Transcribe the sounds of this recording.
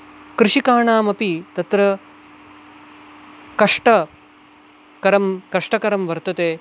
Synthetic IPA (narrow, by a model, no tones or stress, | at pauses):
kɾuʂikaːɳaːmɐpit̪ɐt̪ɾɐ | kɐʂʈɐ | kɐɾɐmkɐʂʈɐkɐɾɐmʋɐɾt̪ɐt̪eː